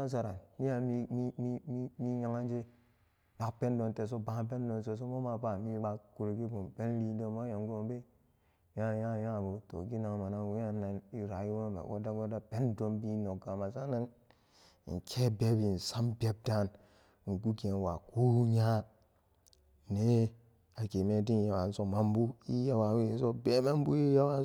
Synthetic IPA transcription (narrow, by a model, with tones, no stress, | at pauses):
a˦s̬a˨ɾa˨nmi˦ja˨mi˦mi˦mi˦mi˦mi˦ja˦ŋa˦nd͡ʒe˦ | ba˨pe˦n˦do˨n˨te˨s̬o˦ba˦p̬e˦n˦do˨n˨s̬e˨s̬o˦mo˦ma˨pa˨mi˦ba˦ku˨ɾi˨ɡi˦bu˨m˨pe˦n˦li˦n˦do˦mo˦ja˨m˦ɡo˦m˦be˦ | a˦˨ja˦˨ja˦˨bo˨to̰˨ɡi˦na˨ŋ˨ma˨na˦ŋwu˦ja˦na˨ni˨ɾa˨ji˦wo˦n˨bḛ˨ɡo̰˦da˦ɡo˦da˦pe˦ndo˦mbi˦no˨ɡa˨ma˨sa˦na˦n̰˨ | ŋ̩˨kʰe˦be˦bi˨n̩˨sa˦mbe˦b̚da˦˨n | ŋ̩˨ɡu˦ɡe˨n˨wa˨ko˦ɲa˦ | ne˦ | a˨ke˨me˦di˦˨ja˨wa˨n̩˦so˨ma˨m˦bu˦i˦ja˦wa˨we˦˨n˦so˦be˦ma˦m˦bu˦ji˦ja˦wa˦